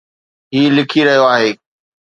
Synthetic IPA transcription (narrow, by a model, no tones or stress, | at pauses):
ɦiːlɪkʰiɾɐɦijoaːɦeː